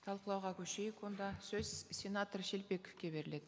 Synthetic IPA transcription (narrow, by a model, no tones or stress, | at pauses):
t̪ʰɑlˠqəlˠɑwʁɑkʲʰɵʃejekwo̞nd̪ɑsɵz̥sʲe̞nat̪orʃe̞lpe̞kʲfkʲe̞be̞ɾɪle̞d̪ɪ